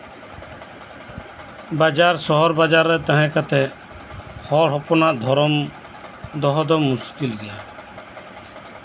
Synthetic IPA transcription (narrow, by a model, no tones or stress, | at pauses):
bad͡ʒaɾsɔɦɔɾbad͡ʒaɾːɛt̪əɦɛ̃kat̪ʰɛ | hɔɽɦɔpɔnaʔd̪ʱɔɾɔm | d̪ɔɦɔd̪ɔmʊskilɡɛja